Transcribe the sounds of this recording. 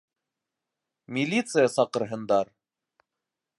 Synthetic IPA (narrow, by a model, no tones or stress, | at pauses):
mʲilʲit̪sɨjəsɑqɤ̆ɾɦɤ̆nd̪ɑɾ